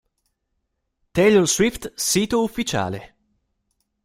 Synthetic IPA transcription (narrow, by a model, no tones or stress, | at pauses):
t̪eʎolswift̪siːt̪oufːit͡ʃa̰ːle